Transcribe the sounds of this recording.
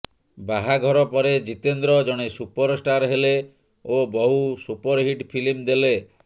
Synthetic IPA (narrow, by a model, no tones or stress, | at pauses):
baɦaɡʱɔɾɔpɔɾed͡ʒit̪end̪ɾɔd͡ʒɔɽ̃esupɔɾsʈaɾɦele | obɔɦusupɔɾɦiʈpʰilimd̪ele